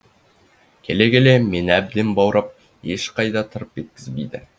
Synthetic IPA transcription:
kʲʰeleɡelemenæb̚d̪ɘmbɑwɾʔɤp̚ | eʃqɑjd̪ɑt̪ʰŏɾɤpjet̪̚kɘzbijd̪ɘ̰

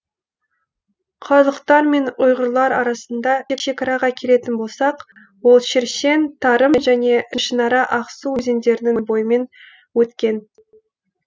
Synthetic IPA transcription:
qʰɑzˠəqt̪ɑɾme̞nʊjʁəɾlˠɑɾɑɾɑsənd̪ɑekʃe̞kɑɾɑʁɑkʲʰeɾe̞t̪ɪnbo̞lˠsɑq | wo̞lˠʃɪɾʃe̞nt̪ʰɑɾəmʒæne̞ʔɪʃənɑɾɑʔɑqsuwɵze̞nd̪e̞ɾɪnɪŋbo̞jəme̞n | wɵt̪kʲe̞n

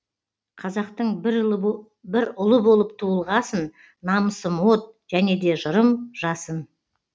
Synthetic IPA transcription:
qʰɑzɑqt̪əɴ | bɪɾʊlˠəbo̞lˠəp̚t̪ʰuəlˠʁɑsənː | ɑməsəmwo̞t̪̚ʒ̥æne̞d̪e̞ʒəɾəmʒ̥ɑsən

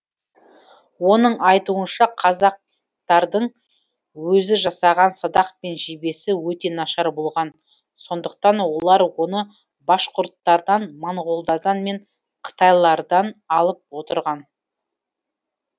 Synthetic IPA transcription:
wo̞nəɴɑjt̪uənʃɑqʰɑzɑq̚ | t̪ɑɾd̪əɴ | wɵzɪʒɑsɑʁɑnsɑd̪ɑq̚pe̞nʒebe̞sɪwɵt̪e̞nɑʃɑɾbo̞lˠʁɑn | so̞nd̪əq̚t̪ɑnwo̞lˠɑɾwo̞nə | bɑʃqʊɾt̪ːɑɾd̪ɑnmoɴʁo̞lˠd̪ɑɾd̪ɑnme̞ɴ | qʰə̥t̪ɑjlˠɑɾd̪ɑnɑlˠəp̚wo̞t̪əɾʁɑn

